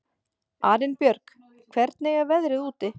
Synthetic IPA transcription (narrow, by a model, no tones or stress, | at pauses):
aːɾɪnpjœɾk | kʰvɛɾt̪nejɣavɛðɾɪðuːt̪ɪ